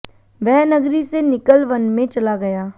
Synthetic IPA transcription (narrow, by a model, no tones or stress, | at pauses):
ʋɛɦnəɡɾisenɪkəlʋənmẽt͡ʃɐlaɡɐjaː